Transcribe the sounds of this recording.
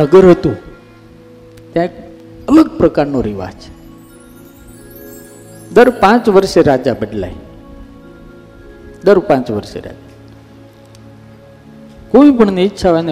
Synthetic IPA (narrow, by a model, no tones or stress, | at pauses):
əɡəɾɦət̪ũ | t̪jãek | ələɡ̚pɾəkaɾnoɾiʋa̰d͡z | d̪əɾpãt͡sʋəɾseɾad͡ʑabəɖla̰ɦi | d̪əɾpãt͡sʋəɾsḛɾa̰d͡ʒa | koʋĩpəɳneitːɕʰaʋjne